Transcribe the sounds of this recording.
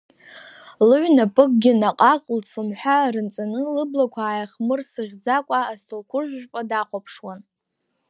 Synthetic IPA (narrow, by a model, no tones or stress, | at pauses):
lɨɥnapʼɨk̚ʼɡʲɪnaqʼaqʼlsɨmħʷᶣarɨnt͡sʼanɨlɨblakʷʰaːjaχmɨrsɨʁʲd͡zakʷʼaːstʰolkʷʰʊrʒʷᶣʒᶣpʼadaqʷʼapʰʂwan